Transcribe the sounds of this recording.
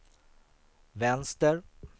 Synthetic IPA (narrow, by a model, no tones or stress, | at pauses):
vɛnst̪əɾ